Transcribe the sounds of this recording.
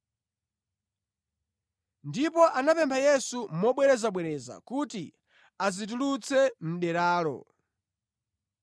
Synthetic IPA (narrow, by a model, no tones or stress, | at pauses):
ndipɔʔanapɛmpʰajɛsum̩mɔɓwɛɾɛzaɓwɛɾɛza̰kuti | azit̬ulut͡sʰɛm̩ɗɛɾaːlɔ̰